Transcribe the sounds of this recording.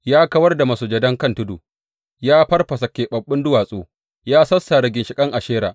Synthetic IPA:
jaː˦kɐ˦wɐ˦rda˨mɐ˨soː˨d͡ʒɐ˦dɐ˦ŋkɐ˦˨ntʊ˦duː˨ | jaː˦ɸɐ˦rɸɐ˨sa˨kʲeː˨ɓɐ˨ɓːɪ˦ndʊ˦waː˨sʼoː˦˨ | jaː˦sɐ˦sːa˨ɾɐ˨ɡʲɪ˨nʃɪ˨kʼɐ˦ŋʔa˨ʃeː˦ɾaː˨ʔ

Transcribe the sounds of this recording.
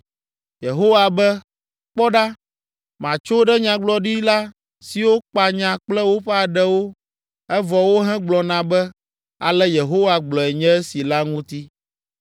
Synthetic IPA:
je˨ɦo˦wa˨bɛ˦ | k͡pɔ˦ɖa˦ | mã˨t͡ʃo˦ɖɛ˦ɲã˨ɡ͡blɔ˦ɖi˦la˦ | si˨wo˦k͡pa˨ɲã˨k͡plɛ˦wo˦ɸɛ˦a˨ɖɛ˦wo˦ | ɛ˦vɔ˨wo˦ɦɛ̃˦ɡ͡blɔ˨nã˨bɛ˦ | a˨lɛ˦je˨ɦo˦wa˨ɡ͡blɔ˨ɛ˨ɲɛ̃˦ɛ˦si˨la˦ŋũ˦t̪i˦

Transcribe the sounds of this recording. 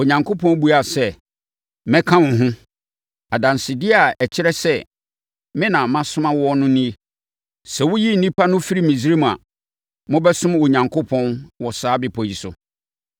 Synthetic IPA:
o˨ɲã˨ŋkʰo˦pʰɔ̃˦n˦bu˦a˨sɛ˨ | mɛ̃˦kʰã˦mʊ̃˨ɦʊ̃˦ | a˨dã˨n˨sɪ˨dɪ˦a˨ɛ˨t͡ɕʰɪ˦ɾɛ˦sɛ˦ | mɪ̃˦nã˨mã˦sʊ̃˦mã˦wɔ˦nʊ̃˦nĩ˦e˦ | sɛ˨wʊ˦ji˦n̩˨nĩ˦pʰa˦nʊ̃˦fi˦ɾi˦mĩ˨si˦ɾi˦m˨a̰˨ | mʊ̃˦bɛ˦sʊ̃˦mo˨ɲã˨ŋkʰo˦pʰɔ̃˦nwɔ˨saː˨˦bɪ˨pʰɔ˨ji˨sʊ˨

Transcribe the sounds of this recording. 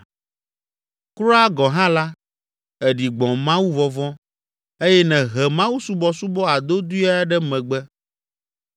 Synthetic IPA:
kɾɔ˦a˦ɡɔ̃˨ɦã˦la˦ | ɛ˨ɖi˨ɡ͡bɔ̃˨mã˦wu˦vɔ˦vɔ̃˦ | e˦jɛ˦nɛ̃˨ɦɛ˨mã˦wu˦su˦bɔ˦su˦bɔ˦a˨d̪o˦d̪u˦a˦ɖɛ˦mɛ̃˨ɡ͡bɛ˦

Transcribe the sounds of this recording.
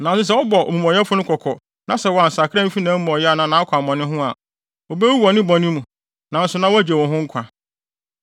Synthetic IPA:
nã˨n˨sʊ˦s̬ɛ˦wɔ˦bɔ˨ʔo̰˨mũ˨m˨ɔ̃˨jɛ˦fʊ˦ʊ̃˦kʰɔ˨kʰɔ˨ | nã˦sɛ˨wɔ˨a˨n̩˨sa˨kʰã˦m̩˦fi˦nã˨˦m̩˦ɔ̃˨jɛ˦a˨nã˨nã˨˦ɔ˦kʰʷa˨mɔ̃˨nɪ̃˦ɦʊ̃˦a˨ | o˨be˦u˦wɔ˨nɪ̃˦bɔ˨nɪ̃˦mũ˨ | nã˨n̩˦sʊ˨nã˦wæ˦d͡ʑe˨wɔ̃˨ɦʊ̃˦ŋ̩˦kʷʰã˨

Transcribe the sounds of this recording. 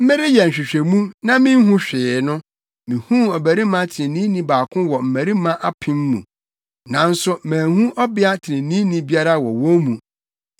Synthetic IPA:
m̩˦mɪ̃˦ɾɪ˦jɛ˨n̩˨ɕᶣɪ˨ɕᶣe˨mũ˦nã˦mĩ˦n̩˦ɦũ˦ɕᶣɪː˨˦nʊ̃˦ | mĩ˨hũ˦ɔ˨bæ˨ɾi˦mã˦tʰɪ˨ɪ̃˨nĩ˦nĩ˦baː˨kʰʊ̃˦wɔ˨m̩˨mæ˨ɾi˦mã˦ʔa˦pʰɪ̃˦m˦mṵ̃˨ | nã˨n̩˦sʊ˦mæ̃ː˨hũ˦ʔɔ˦bɪ˦a˦tʰɪ˨nɪ̃˨nĩ˦nĩ˦bi˦a˦ɾa˦wɔ̰˨wɔ˦mũ˨

